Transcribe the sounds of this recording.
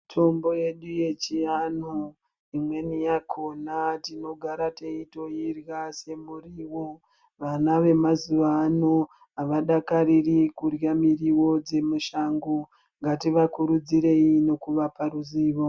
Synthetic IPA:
tʰo̞mbo̞je̞ɗuje̞t͡ʃianu | imwe̞nijakʰo̞natino̞ɡʱaɾateito̞jirjase̞muriːwo̞ | ʋanaʋe̞mazuʋaːno | aʋaɗakaɾirikurjamiriwo̞d͡ze̞muʃaːŋɡo | ŋɡatiʋakuɾud͡ziɾe̞ino̞kuʋapaɾuziːʋo̞

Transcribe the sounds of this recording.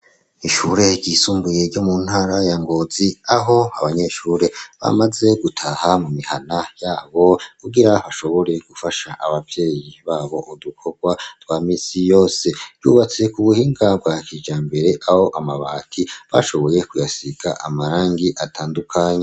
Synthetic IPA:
iʃuɾe̞ɾɟiːsuːmbuje̞ɾɟomun̥haɾajaŋɡo̞ziaɦo̞aβaɲe̞ʃuːɾe̞βa̰maze̞ɡutʰahamumihanajaːβo̞kuɡiɾaβaʃo̞βo̞ɾe̞ɡ̥ufaʃaʔaβavje̞ːjiβaːβo̞ʔudukʰo̞ɡ̥watwaːmiːsijo̞ːse̞̥jṵːβat͡se̞kuβuhiːŋɡabɡwakid͡ʒaːmbe̞ɾe̞ʔaho̞ʔamaβaːtʰiβa̰ʃo̞βo̞je̞kujasiɡaʔamaɾaːŋɡiʔatʰaːndukʰaɲa

